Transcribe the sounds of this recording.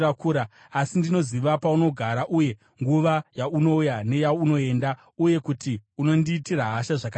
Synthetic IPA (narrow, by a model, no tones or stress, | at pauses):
akuɾa | asindino̞ziʋapauno̞ɡʱaɾaʔuje̞ | ŋɡuʋajauno̞jane̞jauno̞e̞ːnda | uje̞kutiuno̞ndiːtiɾaɦaʃaʐaka